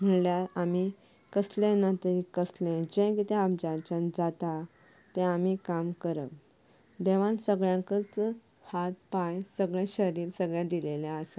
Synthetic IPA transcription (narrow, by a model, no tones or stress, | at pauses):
m̤əɳljaami | kəslɛ̃nat̪əɾikəslɛ̃d͡ʑɛ̃kit̪ɛ̃amd͡ʑat͡ɕand͡zat̪a | t̪ɛ̃amikamkəɾə̰ʋ | d̪eʋãnsəɡɭjãŋkət͡s | hat̪pãjsəɡɭɛ̃ɕəɾiːɾsəɡɭjãd̪ileljãəsa